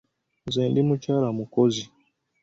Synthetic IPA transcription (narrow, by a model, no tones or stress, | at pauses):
zɛndimut͡ʃaɾamukɔzi